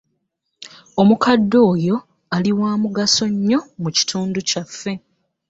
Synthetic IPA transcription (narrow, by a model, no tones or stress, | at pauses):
o̞mukadːo̞ːjo̞ | aliwaːmuɡaso̞ɲːo̞muci̥tʰuːnducafːe̞